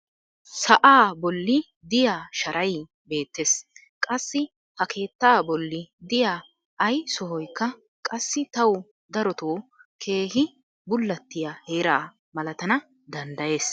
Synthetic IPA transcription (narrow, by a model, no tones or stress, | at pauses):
sɐʔaːbɔlːɪ | d̪ɪjaːʃɐɾʔɐj | be̞ːt̪ːe̞ːs | kʼɐsːɪ | hɐkʰe̞ːt̪ːaːbɔlːɪd̪ɪjaː | ɐjsɔɦɔjkːɐ | kʼɐsːɪt̪ɐw | d̪ɐɾɔt̪oːkʰe̞ːhɪ | bʊlːɐt̪ːɪjahe̞ːɾaː | mɐlɐt̪ɐnɐ | d̪ɐnd̪ɐje̞ːs